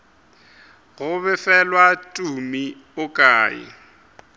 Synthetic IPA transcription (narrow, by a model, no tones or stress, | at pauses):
ɣʊβɪfɛlwatʼumi | ʊkʼaːjɪ̰